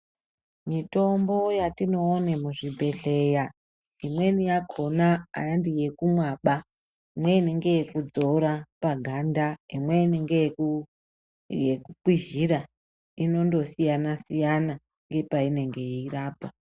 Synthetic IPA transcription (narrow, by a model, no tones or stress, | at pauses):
mito̞mbo̞jatino̞ːnemuʐibʱe̞ɮe̞ja | imwe̞nijakʰo̞na̰ːjandije̞kumwaɓa | imweineŋɡe̞jekud͡zo̞ɾapaɡʱandaimweineŋɡeku | jekukwiʒiɾa | ino̞ndo̞sijanasijana | ŋɡe̞paine̞ŋɡe̞iiraːpa